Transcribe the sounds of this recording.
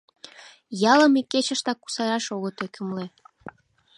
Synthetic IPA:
jɑləmikːet͡ɕəʃt̪ɑkːu̥sɑɾɑʃoɣət̪ekəmle

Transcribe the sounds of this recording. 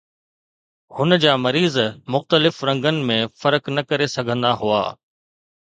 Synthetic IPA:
hʊnəd͡ʑaːmɐɾiːzmʊxt̪əlɪfɾɐ̃ŋɡənɪ̆mẽfɐɾəknɐkɐɾesɐɡʱə̃nd̪aɦua̰ː

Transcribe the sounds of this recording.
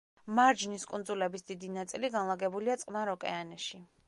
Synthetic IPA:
maɾd͡ʒniskʼund̪zulɛbisd̪id̪inat̪sʼiliɡanlˠaɡɛbuliat̪sʼqʼnaɾɔkʼɛ̰anɛʃi

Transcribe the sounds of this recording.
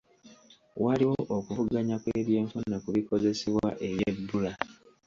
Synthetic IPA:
waliwoʔokuvuɡaɲakweːβje̞ːɱfunokuβiko̞ze̞seβwa̰ʔe̞βjebːula

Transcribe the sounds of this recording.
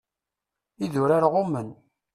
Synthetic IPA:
iðʊɾaɾʁʊmən

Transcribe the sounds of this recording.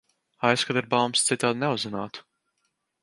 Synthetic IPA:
ajskad̪iɾbalˠmst̪sit̪aːd̪nɛuzɛnaːt̪u̥

